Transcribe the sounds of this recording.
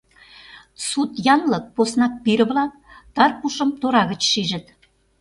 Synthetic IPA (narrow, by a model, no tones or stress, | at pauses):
sut̪jɑnlɤ̆k̚posnɑk̚piɾə̆βlɑ | t̪ɑrpuʃə̆mt̪oɾɑɣə̆t͡ɕʃiʒə̆t̪